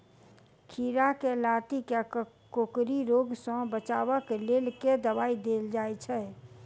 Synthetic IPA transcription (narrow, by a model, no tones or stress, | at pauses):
kʰiɾakelat̪ike | kokɾiɾoɡsɔ̃bət͡ʃaʋəklelked̪əbaːid̪eld͡ʒajt͡ʃʰɛ